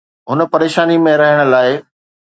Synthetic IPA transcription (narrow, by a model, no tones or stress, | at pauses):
ɦʊnə̆pɐɾeːʃaːnimẽɾɐɦəɽ̃ə̆laːɪ